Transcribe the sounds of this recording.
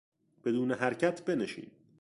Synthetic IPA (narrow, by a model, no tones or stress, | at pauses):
b̥e̞d̪uːneɦæɾcʰæt̪ʰbe̞neʃḭːn